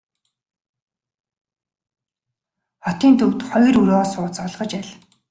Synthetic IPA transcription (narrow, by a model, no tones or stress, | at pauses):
χɔt̪iːnt̪ʰɵw̥t̪χɔjruɾɔːsʊːt͡sɔɮʁɞ̆t͡ɕæɮ